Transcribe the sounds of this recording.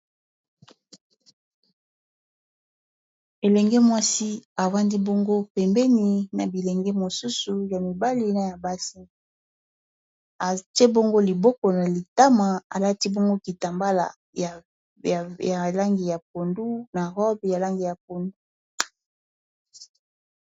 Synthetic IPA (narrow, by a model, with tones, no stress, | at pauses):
e˨lɛ˨ŋɡɛ˦mwa˦si˦a˨va˦ndi˦bɔ˦ŋɡo˦pɛ˨mbɛ˦ni˨na˨bi˨lɛ˨ŋɡɛ˦mo˨su˦su˨ja˨mi˨ba˦li˦na˨ja˨ba˦si˦ | a˨te˦bo˦ŋɡo˦li˨bɔ˦kɔ˨na˨li˨ta˦ma˨a̰˨la˦ti˦bɔ˦ŋɡo˦ki˨ta˨mba˦la̰˨ | ja˨ | ja˨la˦ŋɡi˨ja˨p̚o˨ndu˦na˨ʁɔ˦bja˨la˦ŋɡi˨ja˨p̚o˨ndu˦